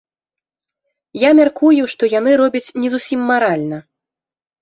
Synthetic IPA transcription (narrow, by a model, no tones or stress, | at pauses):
jamʲarkujuʂt̪ɔjanɨɾɔbʲɐt͡sʲnʲɛzusʲimːaɾalʲnɐ